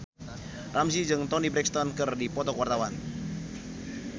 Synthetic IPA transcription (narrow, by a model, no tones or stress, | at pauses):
rʔams̬id͡ʒɨŋt̪ɔnibɾɛkst̪ɔnkɨrdipɔt̪ɔkwart̪awan